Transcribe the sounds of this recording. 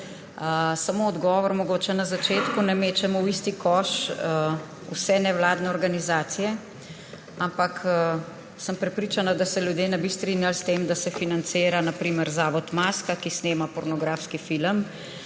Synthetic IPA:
əsamoːd̪ɡɔːʋɔɾmɔɡoːt͡ʃɛnazat͡ʃeːt̪kunɛmeːt͡ʃɛmɔwist̪ikɔʃ | ṵsɛnɛwlaːd̪nɛɔɾɡanizaːt̪sijɛ | ampakʰː | səmpɾɛpɾiːt͡ʃanad̪asɛljud̪jenɛbist̪ɾinjalst̪emd̪asɛfinant̪seːɾanapɾiːməɾzaːʋɔt̪maːskakisneːmapɔɾnɔɡɾaːfskifiləm

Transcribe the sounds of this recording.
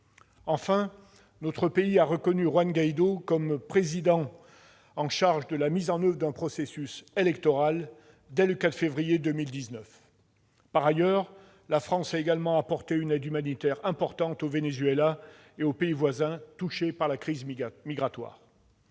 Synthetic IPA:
ɑ̃fɛ̃ | nɔt̪χəpeiaʁəkɔnyʁwanɡajd̪okɔmpχezid̪ɑ̃ | ɑ̃ʃaʁʒd̪əlamizɑ̃nœvʁəd̪ɛ̃pχɔsesyselɛkt̪ɔʁal | d̪ɛləkat̪χfevʁijed̪ømild̪iznœf | paʁajœʁ | lafχɑ̃saeɡalmɑ̃apɔʁt̪eynɛd̪ymanit̪ɛʁɛ̃pɔʁt̪ɑ̃t̪ovenezɥela | eopeivwazɛ̃t̪uʃepaʁlakχizmiɡʁat̪wa̰ːʁ

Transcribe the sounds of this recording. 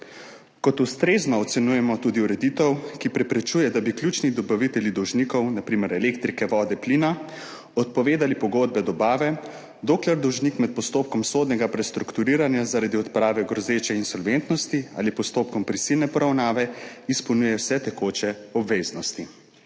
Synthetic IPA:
kɔt̪ust̪ɾeznɔːt̪sɛnujɛmɔt̪ud̪iuɾɛd̪it̪ɛwkipɾɛpɾɛt͡ʃuːjɛd̪abiklʲjut͡ʃnid̪ɔbaʋit̪ɛljid̪ɔwʒnikɔwnapɾimɛɾɛlekt̪ɾikɛʋɔːd̪ɛpliːna | ɔt̪̚pɔʋeːd̪alipɔɡod̪̚bɛd̪ɔbaːʋɛ | d̪oːklɛɾd̪ɔwʒnikmɛt̪̚pɔst̪oːp̚kɔmsoːd̪nɛɡapɾɛst̪ɾukt̪uɾiːɾanjazaɾad̪iɔt̪pɾaːʋɛɡɾɔzeːt͡ʃɛinsɔlʋent̪nɔst̪ia̰ːlipɔst̪oːp̚kɔmpɾisilnɛpɔɾawnaːʋɛispɔwnujɛwsɛt̪ɛkoːt͡ʃɛɔbʋeːznɔst̪i

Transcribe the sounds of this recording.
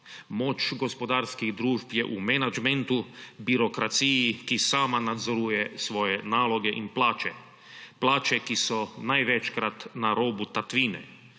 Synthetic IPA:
moːt͡ʃɡospod̪aːɾskiɣd̪ɾuːʒpjɛʔumɛnad͡ʒmɛnt̪ubiɾokɾat̪sijikisaːmanad̪zoɾujɛsʋoːjɛnaːloɡɛʔinplaːt͡ʃɛ | plaːt͡ʃɛkisɔnajʋɛt͡ʃkɾat̪naɾoːbut̪at̪ʋiːnɛ̰

